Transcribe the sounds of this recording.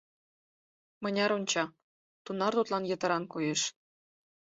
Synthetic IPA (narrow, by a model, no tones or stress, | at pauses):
mɤ̆nʲɑɾonʲt͡ɕɑ | t̪unɑrt̪ut̪lɑnjɤ̆t̪ə̆ɾɑnkujeʃ